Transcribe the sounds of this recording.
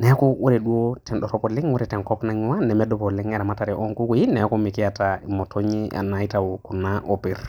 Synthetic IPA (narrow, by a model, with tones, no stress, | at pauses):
nɛ˦ku˦wʔo˦ɾɛ˨ɗu˦o˦tɛ˨nɗɔ˨ɾɔ˦pɔ˨lɪ˦ŋwo˦ɾɛ˨tɛ˨kɔ˦pna˦ɲ˦wa˦nɛ˨mɛ˦dɔ˨pɔ˨lɛ˦ŋɛ˦ɾɛ˨ma˦ta˨ɾɛ˨ʔɔ˦ŋku˦ku˨˦ji˦nɛ˨˦ko˦mi˨ki˦a˨tai˨mɔ˨tʰɔ˦ɲi˦a̰˨na˨i˦ta˨wu˨ku˨na˦ʔo˨pi˨ɾ